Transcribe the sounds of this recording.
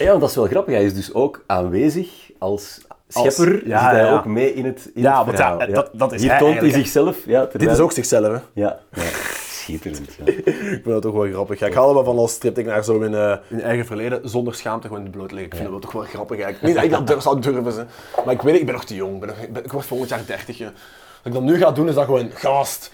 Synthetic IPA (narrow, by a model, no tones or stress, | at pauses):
jaːndɑtɪsʋɛlˠɣrɑpəxɦɛjɪzdɵsoːkaːnʋeːzəx | ɑlˠsxɛpərjaɦɛjoːkmeːʔɪnətɪnaʋɑjajdtdɑtɪiːoːnizɪxsɛləfjatədɪtɪsoːksɪxsɛləfɛjaja̰sxɪtəɾəntjaɪkfɪndɑtːɔxʋɛlˠɣrɑpəxjaɪkɦaldəʋɛlˠvɑnɑlˠstrɪptɪknaːrzoːɪnəːɪnɛjɣəvərleːdəzɔndərsxaːmtəɣəoːndəbloːtəlɪŋɪkfɪndɑtɛlˠtɔxʋɛlˠɣrɑpəxɛɪknidɪɡdɑdørfsɔwdørvəzɛ | maɪkʋetɪɡ̚bɛnːɔxtəjoŋɡbɛnːɔxbɛɪkʋɔrtfolˠɣəntjaːrdɛrtəxjə | ɑtɪɡ̚dɑnːyɣaːdunɪzdɑɣəʋoːnɣɑst